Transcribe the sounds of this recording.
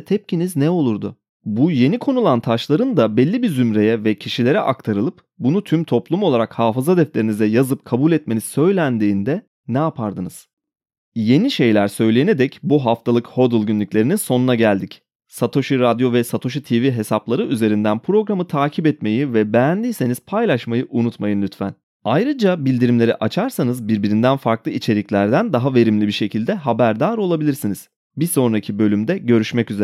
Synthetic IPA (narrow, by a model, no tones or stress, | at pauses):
t̪ʰɛp̚ciniznɛo̞lˠuɾd̪ʊ | buje̞nikʰo̞nulˠant̪ʰaʃlˠaɾɯnd̪abɛlʲːibizymɾe̞jɛvɛcʰiʃilʲe̞ɾɛʔakt̪ʰaɾɯlˠɯp | bunut̪ʰymt̪ʰo̞plˠumo̞lˠaɾakhaːfɯzad̪ɛflʲe̞ɾinizɛjazɯp̚kʰabulʲɛt̪̚me̞nisø̞jlʲænd̪iːnd̪ɛ | nɛapʰaɾd̪ɯnɯz̥ | je̞niʃe̞jlʲæɾsø̞jlʲejened̪ɛcbuɦaft̪ʰalˠɯkho̞d̪ɯlˠɟynlʲyclʲe̞ɾininso̞nunaɟælʲd̪ic | sat̪ʰo̞ʃiɾad̪jo̞vɛsat̪ʰo̞ʃ̬it̪ʰiviɦe̞saplˠaɾɯʔyze̞ɾind̪ænpʰɾo̞ɡɾamɯt̪ʰaːcʰibɛt̪me̞jivɛbɛænd̪ijse̞niz̥pʰajlʲˠaʃmajɯʔunut̪majɯnlʲyt̪fæ̰n | ajɾɯd͡ʒabilʲd̪iɾimlʲe̞ɾiʔat͡ʃʰaɾsanɯzbiɾbiɾind̪ænfaɾklˠɯit͡ʃʰe̞ɾiclʲæɾd̪ænd̪aɦave̞ɾimlʲibiɾʃe̞cʰilʲd̪ɛɦabæɾd̪aːɾo̞lˠabilʲiɾsiniz̥ | biso̞nɾacʰibø̞lʲymd̪ɛɟø̞ɾyʃmɛcyze